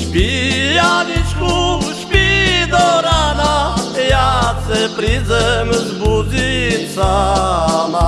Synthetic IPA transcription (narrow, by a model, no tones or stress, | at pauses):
ʃpʲijanit͡ʃkuʃpid̪ɔɾanajasɛpɾizɛmzbuzit͡sa | na